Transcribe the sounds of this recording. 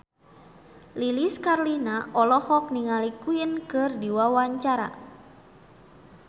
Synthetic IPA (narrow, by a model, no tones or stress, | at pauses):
liliskarlinaʔɔlɔhɔk̚niŋalikujənkɨrdiwawaɲt͡ʃaɾa̰